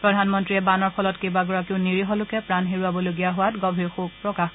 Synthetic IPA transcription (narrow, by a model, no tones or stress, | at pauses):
pɹɔdʱanmɔntɹiɛbanɔɹpʰɔlɔtkebaɡɔɹakiʊniɹiɦɔlʊkɛpɹanɦeɹuabɔloɡijaɦʊwatɡɔbʱiɹxuɡ̚pɹɔkax